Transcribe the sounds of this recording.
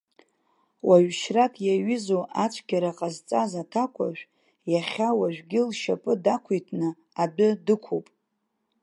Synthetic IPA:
waɥʃratʰjaɥɪzoʔat͡ʃʷʰɡʲaɾaqʼazt͡sʼazatʰakʷʰa̰ʒᶣʷ | jaχʲawaʒᶣɡʲɪlʃapʼɨdakʷʰitʰnɨ | abʊdɨkʷʰopʼ

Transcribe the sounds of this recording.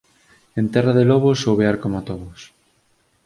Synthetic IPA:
ent̪ɛraðelɔβ̞osowβeaɾkomat̪oðos

